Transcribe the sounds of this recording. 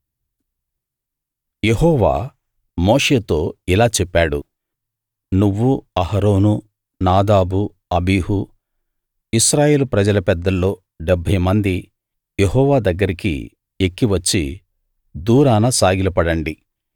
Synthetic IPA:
je̞ɦɔːʋa̰ː | moːʂe̞ːt̪o̞ːilaːt͡ʃɛpːaːɽṵ | nuʋːuɐhɐɾo̞ːnu | naːd̪aːbu | ɐbiːɦu | isɾaːje̞ːlupɾɐd͡ʒɐlɐpɛd̪ːɐlːo̞ː | ɖɛbʱɐjmɐnd̪i | jeɦɔːʋaːd̪ɐɡːɐɾikḭ | ekːiʋɐt͡ʃːi | d̪uːɾaːnɐsaːɡilɐpɐɽɐɳɖi

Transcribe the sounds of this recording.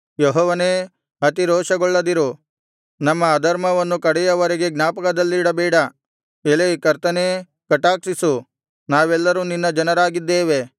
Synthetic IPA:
jɔɦɔːʋɐneː | ɦɐt̪iɾɔːʃɐɡɔɭːɐd̪iɾu | nɐmːɐːd̪ɐɾmɐʋɐnːukɐɽɛjɐʋɐɾeɡe̞ɡnaːpɐkɐd̪ɐlːiːɽɐbɛːɽɐ | elɐjkɐɾt̪ɐneː | kɐʈaːksisu | naːʋɛlːɐɾuːninːɐd͡ʒɐnɐɾaːɡid̪ːeːʋe̞

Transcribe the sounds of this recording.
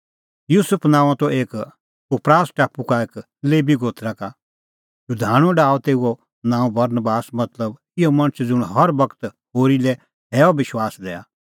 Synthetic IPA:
juːsʊpʰnãːãt̪ɔʔeːk | ʊpɾaːsʈaːpukaeːk | leːbiɡoːt̪ʰɾaka | jʊd̪ʱaːɽ̃ɔ̃ɖaːɔt̪eːuɔ | nãːũbɐɾnbaːsmɐt̪ləb | ɪjɔmɐ̃ɽ̃ət͡ʃʰd͡zʊɽ̃ɦɐɾbɐkə̥t̪ | ɦoːɾilɛ | ɦɛːɔbɪʃwaːsd̪ɛːa̰

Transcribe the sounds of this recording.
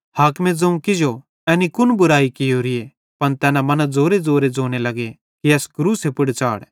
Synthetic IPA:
haːkmẽd͡zɐ̃ũkɪd͡ʒo | ɛːnikʊnbʊɾaːikɪjoɾɪe | pɐnt̪ɛːnamɐnad͡zoːɾed͡zoːɾed͡zoːñelɐɡe | kiɛːskɾuːsepʊɽt͡ʃa̰ːɽ

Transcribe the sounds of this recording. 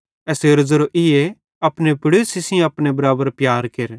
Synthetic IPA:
ɛːseɾɐzəɾoʔɪje | ɐpnepɪɽesɪsɪj̃ɐpnebɐɾaːbəɾpjaːɾkeɾ

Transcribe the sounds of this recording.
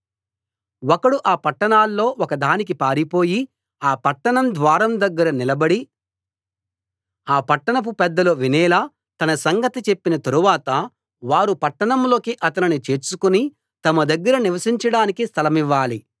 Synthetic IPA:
wɔkɐɽuʔaːpɐʈːɐɳaːlːo̞ːɔkɐd̪ʱaːnik̬ipaːɾipo̞ːji | aːpɐʈːɐɳɐmd̪ʋaːɾɐmd̪ɐɡːɐɾɐnilɐbɐɽi | aːpɐʈːɐɳɐp̬upɛd̪ːɐloʋinɛːlaː | t̪ɐnɐsɐŋɡɐt̪it͡ʃe̞pːinɐt̪ɐɾuʋaːt̪ɐ | ʋaːɾupɐʈːɐɳɐmlo̞ːkiʔɐt̪ɐninit͡ʃe̞ːɾsukuni | t̪ɐmɐd̪ɐɡːɐɾɐniʋɐsiɲt͡ʃɐɽaːnikist̪ʰɐlɐmiʋːaːli

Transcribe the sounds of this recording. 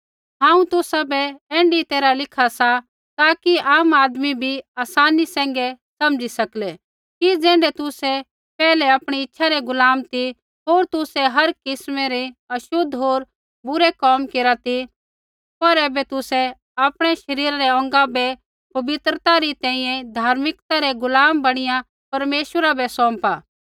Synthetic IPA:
ɦãːũt̪ʊsabɛɛ̃ːɳɖit̪eːɾalɪkʰasa | t̪aːkiaːmaːd̪mibʱiaːsaːnisɛ̃ːŋ̆ɡɛ | sɐmd͡ʒisɐklɛ | kid͡zɛ̃ːɳɖɛt̪ʊsɛ | pɛːlɛaːpɽ̃iɪtːʃʰaɾeɡʊlaːmt̪i | ɦoːɾt̪ʊsɛɦɐɾkɪsmeɾiɐʃʊd̪ʱːɦoːɾ | bʊɾekɔːmkeːɾat̪i | pɐɾɛːbɛt̪ʊsɛ | aːpɽ̃ɛʃɐɾiːɾaɾɛɔ̃ːŋ̆ɡabɛ | pɐbɪt̪ɾət̪aɾit̪ɛ̃ːĩjɛ̃d̪ʱaːɾmɪkt̪aɾɛɡʊlaːmbɐɽ̃ɪjã | pɐɾmeːʃwəɾabɛsɔ̃ːmpaː

